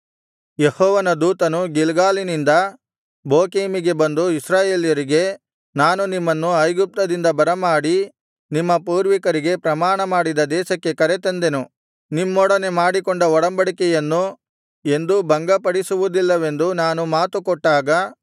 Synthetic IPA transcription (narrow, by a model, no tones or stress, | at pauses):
jehɔːʋɐnɐd̪uːt̪ɐnuɡilɡaːlinind̪ɐ | boːkeːmiɡe̞bɐnd̪uisɾaːje̞ːljɐɾiɡe̞ | naːnunimːɐnːuɐjɡup̚t̪ɐd̪ind̪ɐbɐɾɐmaːɽi | nimːɐpuːɾʋikɐɾiɡe̞pɾɐmaːɳɐmaːɽid̪ɐd̪ɛːʃɐkːe̞kɐɾet̪ɐnd̪enu | nimːɔɽɐne̞maːɽikɔɳɖɐɔɽɐmbɐɽikɛjɐnːu | e̞nd̪ubɐŋɡɐpɐɽisuʋud̪ilːɐʋe̞nd̪unaːnumaːt̪ukɔʈːaːɡɐ